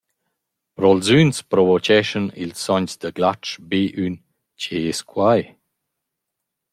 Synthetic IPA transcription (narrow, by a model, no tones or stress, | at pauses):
pɾɔlzynspɾɔvɔt͡ʃɛʃənḭlsːɔɲsd̪əɡlat͡ʃbeʔyn | ceeskʰwaj